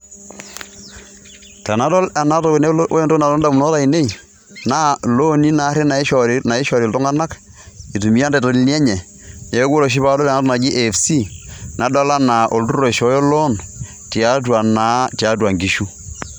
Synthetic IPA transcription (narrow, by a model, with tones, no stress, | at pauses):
ta˨na˦dɔ˦lɛ˨na˦to˨kne˦o˦e˨ndo˦na˨to˦nda˨mu˨nɔ˦ta˨i˨ne˦i˨ | naː˦lo˦ni˦na˨˦ɾe˦na˨˦ʃɔ˨na˨e˦ʃɔ˨ɾi˨ltɔ˦ŋa˦na˦k | i˨tu˨mi˦a˦ndɛ˨to˨li˦ni˦ɛ˦ɲɛ˨ | ɲɛ˨o˦ɡo˦lo˨ʃ̬i˦pa˦do˦lɛ˨na˦tɔ˦na˨ɡi˦ʔe˨fsi˦na˨dɔ˦la˦na˨ʔo˨ltu˦ɾo˨ʃɔ˨˦jɔ˦lɔ˦n | ti˨a˦t̬wa˨na˦ta˨˦twa˨ŋɡi˨ʃu˦